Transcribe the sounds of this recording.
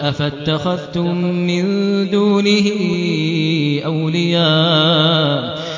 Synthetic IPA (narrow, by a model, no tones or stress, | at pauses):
ʔafat̪ːaxaðt̪ʊmːɪnd̪uːnɪhɪ | ʔawlɪjaː